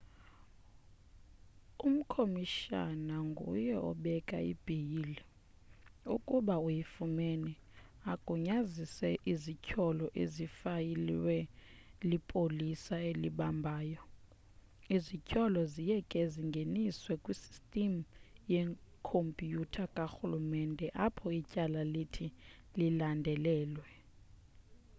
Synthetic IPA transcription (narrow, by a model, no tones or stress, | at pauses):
um̩kʰomiʃa̰naŋɡʱṵjɛɔ̰ɓɛkʼaḭb̥ʱijili | ṵkʼuɓaujifumeni | aɡ̥ʱuɲazisɛʔizicʼʰɔlɔʔezifajilḭwɛlipʼolisaeliɓambʱaːjɔ | izicʰʼɔlɔzijɛkʼeziŋɡʱeniswɛkʼwisi̥stʼim̩jɛŋkʰompʼijutʰakʼaxulumɛndʱɛʔapʰɔicʼalalitʰi | lilandʱɛlɛːlwɛ